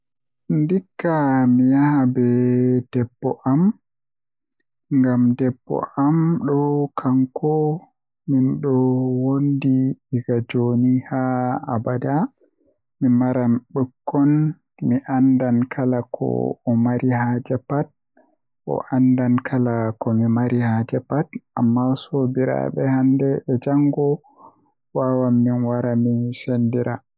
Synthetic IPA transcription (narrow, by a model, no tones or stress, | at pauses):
ndikːamijahabɛd̥ɛbːɔʔam | ŋɡamdɛbːɔ̰ʔamɗɔkʰaŋkʰɔ | minɗɔwondiːɡad͡ʒonihaːbada | mimaɾamɓəkːɔn | miʔandankʰalakʰɔ̰ɔmaɾihaːd͡ʒɛpat̚ | ʔɔ̰ʔandankʰalakɔmimaɾihad͡ʒɛpatʔamːasobiɾa̰bɓɛ̰handɛːd͡ʒaŋɡɔ | wawamːinwaɾamisendiɾa